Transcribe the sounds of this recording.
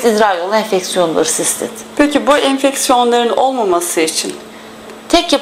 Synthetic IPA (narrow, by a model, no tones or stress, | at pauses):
id̪ɾajolˠaɛnfɛcsijo̞nlˠaɾɯsist̪ʰɪ̰t̪pʰecʰibuʔɛnfɛcsijo̞nlˠaɾɯno̞lˠmamasɯit͡ʃʰin | t̪ʰɛcja